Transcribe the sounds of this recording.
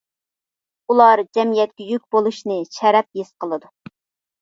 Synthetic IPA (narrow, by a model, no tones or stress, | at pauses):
ulˠɑɾd͡ʒɛmijɛt̪̚kʲɛjykʲbolˠuʃnɨʃɛɾɛp̚jesqəlˠɨd̪u